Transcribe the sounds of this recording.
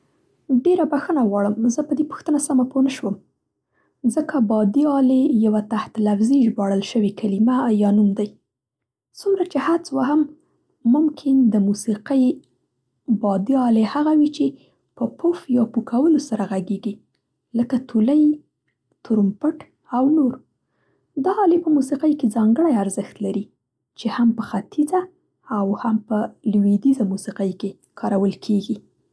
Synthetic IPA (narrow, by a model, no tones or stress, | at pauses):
ɖeɾabaxənaɣwɑɽəmzəpəd̪epə̥xt̪ənasamaponəʃwəm | zəkʰabɑd̪iɑlejawat̪aht̪lafziʒbɑɽəlʃəwekʰalimajɑnumd̪aj | t͡sumɾat͡ʃehat͡swaɦamː | ʊmkʰɪnd̪əmusiqəj | bɑd̪iɑlehaɣawit͡ʃe | pəpʰufjɑpukʰawəlosaɾaɣaɡeɡi | ləkat̪ʰuləj | t̪uɾumpəʈ | awnoɾ | d̪ɑːlepəmusiqəjked͡zɑŋɡəɽajaɾzəxt̪laɾi | t͡ʃehampəxat̪ʰizaː | whampəlwid̪izamusiqəjke | kʰɑɾawəlkʰeɡi